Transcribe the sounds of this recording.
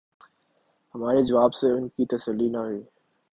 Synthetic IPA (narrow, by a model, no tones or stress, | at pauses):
hɐmaːɾed͡ʒəʋaːbseʊnkit̪əsəlːinaɦʊiː